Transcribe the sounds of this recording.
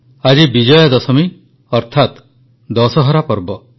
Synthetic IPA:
ad͡ʒibid͡ʒɔjɔd̪ɔsɔmi | ɔɾt̪ʰat̪ | d̪ɔsɔɦɔɾapɔɾbɔ

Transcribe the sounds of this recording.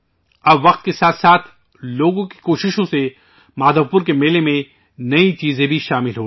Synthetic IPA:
ɐbʋɐqt̪̚kesaːt̪saːt̪ʰ | loːɡõki̥koːʃɪʃõse | maːd̪ʱəʋpʊɾk̬emeːlemẽ | nɐit͡ʃiːzẽbʱiʃaːmɪlɦoː

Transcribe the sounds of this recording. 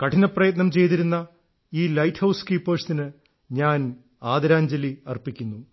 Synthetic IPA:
kɐʈʰinɐprɐjɐt̪nɐmt͡ɕe̞jt̪̬iɾunːɐ | iːlɐjʈhɐwskiːpːoːʂt̪inɨ | ɲaːn | aːd̪ɐɾaːɲd͡ʑɐliɐrpikʲːunːu

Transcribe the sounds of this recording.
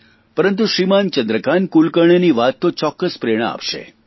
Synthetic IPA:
pəɾənt̪̬uʃɾimant͡ʃənd̪ɾəkankulkəɳ̃eniʋat̪ːot͡ʃɔkːəspɾeɽ̃aa̰pʃḛ

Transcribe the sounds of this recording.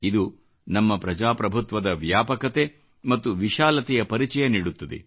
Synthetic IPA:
id̪u | nɐmːɐpɾɐd͡ʒaːpɾɐbʱut̪ʋɐd̪ɐʋjaːpɐkɐt̪e̞ | mɐt̪ːuʋiʃaːlɐt̪ɛjɐpɐɾit͡ʃɐjɐniːɽut̪ːɐd̪ḛ

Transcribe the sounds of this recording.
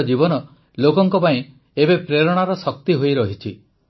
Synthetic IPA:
d͡ʒibɔnɔ | lokɔŋkɔpaĩ | ebepɾeɾɔɽ̃aɾɔsɔkt̪iɦojɾɔɦit͡ʃʰi

